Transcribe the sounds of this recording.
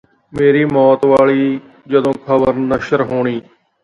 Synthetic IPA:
meːɾiːmɔːt̪ʋaːɭiː | d͡ʒəd̪õːkʰəbəɾnəʃəɾɦoːɳiː

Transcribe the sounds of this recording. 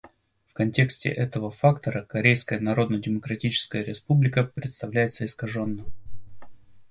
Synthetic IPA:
fkɐnʲtʲe̞ksʲtʲɪ̰ʔɛt̪əvəfakt̪əɾəkɐɾʲejskəjənɐɾo̞d̪nədʲɪməkɾɐtʲit͡ɕɪ̥skəjəɾʲɪspublʲɪkəpɾʲɪt̪st̪ɐvlʲæjɪt̪səɪskɐʐo̞nːə

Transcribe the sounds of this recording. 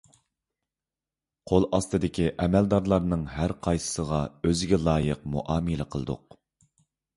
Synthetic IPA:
qʰolˠɑst̪ɨd̪ɪkʲʰiʔɛmɛld̪ɑɾlˠɑɾnɨŋɦæɾqʰɑjsə̥səʁɑøzɪɡʲɛlˠɑːjəqmuʔɑːmɨlɪqʰəlˠɨd̪ʊ̰q̚

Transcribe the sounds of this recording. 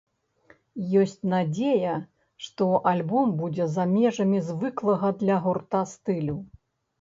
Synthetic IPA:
jɔsʲt͡sʲnad͡zʲejɐ | ʂt̪ɔʔalʲbɔmbud͡zʲɛzamʲɛʐɐmʲizvɨklˠɐɣɐd̪lʲɐɣurt̪ast̪ɨlʲu

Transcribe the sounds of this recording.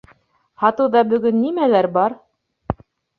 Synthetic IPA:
hɑt̪ɤwðɑbɵ̆ɡɵnːimælæɾbɑɾ

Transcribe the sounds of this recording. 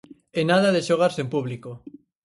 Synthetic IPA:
enaðaðeʃoɣ̞aɾsempuβliko

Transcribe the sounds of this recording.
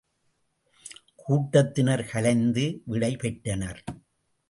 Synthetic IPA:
kʰuːʈːɐt̪ːɪnɐɾkɐlɐɪnd̪ɯʋɪɽɐɪpɛʈːɐnɐɾ

